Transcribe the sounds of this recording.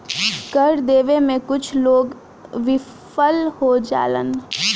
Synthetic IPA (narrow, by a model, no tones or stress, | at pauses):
kəɾd̪eːʋemẽkʊt͡ʃʰloːɡ | ʋɪ | fəlhod͡ʒa̰ːlə̰n